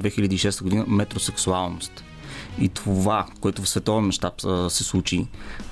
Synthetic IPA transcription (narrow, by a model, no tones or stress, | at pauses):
d̪vɛxilʲəd̪iːʃɛst̪əɡod̪inəmɛt̪ɾosɛksualˠnost̪ | it̪ʰovakoɛt̪ʊfsvɛt̪ɔvɛnmɐʃt̪apsɛslˠut͡ʃi